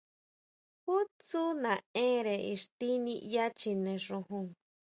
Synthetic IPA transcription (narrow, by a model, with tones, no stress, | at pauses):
hu˦t͡su˦nã˨ẽ˦ɾe˨i˧ʂt̪i˦nĩ˧ja˦t͡ʃi˧nẽ˨ʂõ˧ɦũ˧ŋ